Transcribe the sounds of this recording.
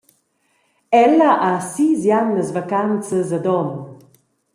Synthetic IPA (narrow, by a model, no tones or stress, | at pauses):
ɛləʔasizjanːəzvakant͡səzəd̪ɔn